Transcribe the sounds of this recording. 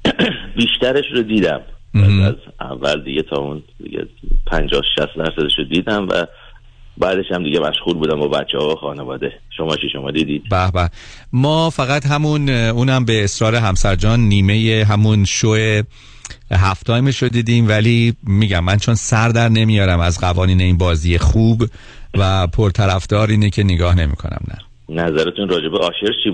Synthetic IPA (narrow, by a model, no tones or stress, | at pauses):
biːʃt̪æɾeʃrod̪iːd̪æ̰mææzæ̰vːæld̪iɡet̪ʰɒːuːnd̪ḭɟḛpʰænd͡ʒɒːhʃæ̰st̪d̪æɾsæd̪eʃod̪iːd̪æmvæ̰ | bæːd̪e̞ʃæmd̪iɟemæʃɣuːlbuːd̪æmbɒːbæt̪t͡ʃʰːehɒːoxɒːnevɒːd̪e | ʃomɒːt͡ʃʰiʃomɒːd̪iːd̪iːd̪bæbæmɒːfæɣæt̪ɦæmunuːnhæmbeːsɾɒːɾe̞ɦæmsæɾd͡ʒɒːnːiːme̞jeɦæmunʃoʔe | ɦæft̪ʰɒːjmeʃod̪iːd̪iːmvælimːiːɟæmːænt͡ʃʰo̞nsæɾd̪æɾne̞mijɒːɾæmæzɢævɒːniːne̞iːnbɒːziːje̞χuːb | væpʰoɾt̪ʰæɾæfd̪̥ɒːɾiːnecʰe̞neɡɒːhne̞mḭːkʰo̞̰næ̰mnæ̰ | næzæɾet̪ʰunrɒːd͡ʒebeʔɒːʃeɾt͡ʃʰiː